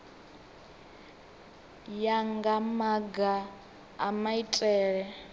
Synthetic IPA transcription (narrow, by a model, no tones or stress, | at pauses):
jaŋɡamaɡa̰ː | maitʼɛːɺɛ